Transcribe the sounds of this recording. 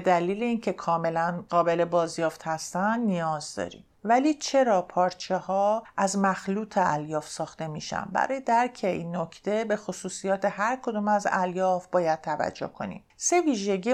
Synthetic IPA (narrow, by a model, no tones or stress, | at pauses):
ed̪æliːleiːncʰe̞kʰɒːme̞lænɢɒːbe̞le̞bɒːzjɒːft̪hæst̪ænd̪nijɒːzd̪ɒ̰ːɾḭːmvæliːt͡ʃʰe̞ɾɒːpʰɒːɾt͡ʃʰehɒːʔæzmæxluːt̪ʰeæljɒːfsɒːxt̪e̞mḭːʃæ̰nbæ̰ɾɒːje̞d̪æɾcʰe̞iːnːo̞cʰt̪ʰe̞be̞xosuːsijɒːt̪ʰehæɾkʰo̞d̪uːmæzæ̰ljɒːfbɒːjæd̪̥̚t̪ʰævæ̰d͡ʒːo̰hkʰo̞̰nḭːmse̞viːʒe̞ɟiː